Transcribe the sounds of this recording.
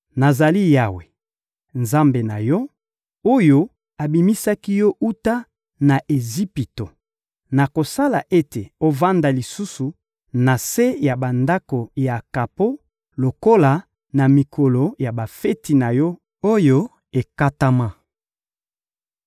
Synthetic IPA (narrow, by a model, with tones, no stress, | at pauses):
na˨za˨li˦ja˦we˨ | nza˦mbe˨na̰˨jɔ˦ | o˦jo˦ | a˨bi˨mi˦sa˦ki˦jɔ˦ʔu˦ta˦ | na˨ʔe˨zi˦pi˨to˨ | na˨ko˨sa˦la˨ʔe˦te˨o˦va˦nda˨li˨su˦su˨ | na˨se˦ja˨ba˨nda˦ko˨ja˨ka˨po˦ | lo˨ko˦la˨ | na˨mi˨kʰo˨lo˨ja˨ba˨fe˦ti˨na˨jɔ˦ | o˦jo˦ | e˨ka˦ta˦ma˦